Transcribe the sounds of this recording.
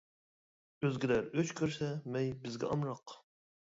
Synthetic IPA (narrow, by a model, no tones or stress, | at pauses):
øzɡʲɪd̪æɾøt͡ʃkʲʰøɾsɛmɛjbɪzɡʲɛ̰ʔɑmɾɑq